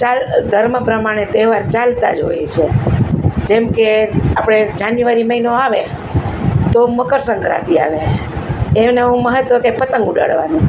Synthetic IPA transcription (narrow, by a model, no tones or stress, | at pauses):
t͡ʃald̪ʱəɾməpɾəmaɽ̃et̪eʋaɾt͡ʃalt̪a̰d͡ʒo̰jḛt͡ʃʰe | d͡ʒemkeapɽ̃ed͡ʒanjuʋaɾiməɦinoaʋe | t̪oməkəɾsəŋkɾa̰t̪ia̰ʋe | enəũməɦət̪ʋəkepət̪əŋɡuɖa̰ɭʋa̰nũ